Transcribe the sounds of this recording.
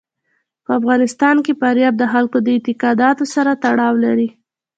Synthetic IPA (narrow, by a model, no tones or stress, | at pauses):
pəafɣɑnɪst̪ɑnkepaɾjɑb̚d̪əxalkod̪əɪt̪ɪqɑd̪ɑt̪osaɾat̪aɽɑwlaɾi